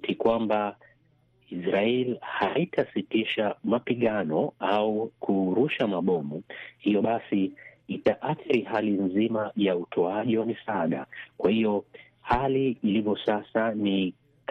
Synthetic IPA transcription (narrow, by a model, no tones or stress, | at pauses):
tikwamba | isɾaɛlihaitʰasitiʃamapiɠanɔaukʰuɾuʃamaɓɔmuhijɔɓasiːtaʔaθiɾiɦalinzimajautʰɔaʄiwamisaɗakwahiɔ | haliːlivɔsasani | k